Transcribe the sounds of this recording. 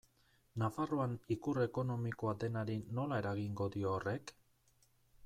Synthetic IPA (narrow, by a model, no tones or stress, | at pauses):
nafaroanikure̞ko̞no̞miko̞ad̪e̞naɾino̞lae̞ɾaɣiŋɡo̞d̪io̞ːre̞k